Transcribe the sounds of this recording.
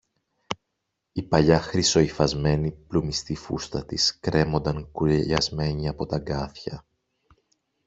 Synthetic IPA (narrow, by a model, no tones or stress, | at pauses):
ipɐʎɐxɾiso̞ifɐzme̞niplumist̪ifṵst̪ɐt̪iskɾe̞mo̞nd̪ɐŋkuɾʎɐzme̞ɲiɐpot̪ɐɡɐθçɐ